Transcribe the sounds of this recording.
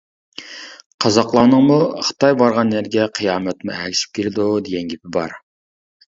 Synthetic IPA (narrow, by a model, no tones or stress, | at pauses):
qʰɑzɑqlˠɑːnəŋmuχɨ̥t̪ʰɑjbɑɾʁɑnːæɾɡʲɛqʰɨjɑːmɛt̪muɛkʲʰi̥sʃi̥p̚kʲʰelɪd̪ud̪eɡʲɛnɡʲepɪbɑɾ